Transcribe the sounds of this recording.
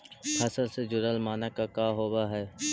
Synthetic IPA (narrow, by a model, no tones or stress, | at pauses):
hʰɐsəlsed͡ʒʊɾəlmaːnəkakaːɦoːʋaɦɛː